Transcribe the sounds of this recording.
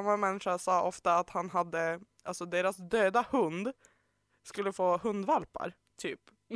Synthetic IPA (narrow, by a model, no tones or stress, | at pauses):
amːamɛnːɪʂaʂɑːʔɔft̪aːt̪hanɦad̪ːə | ʔalsɔd̪eːɾasd̪øːd̪ahɵnd̪ | skɵlːəfoːhɵnd̪valpa̰ɾ | t̪ʰyːp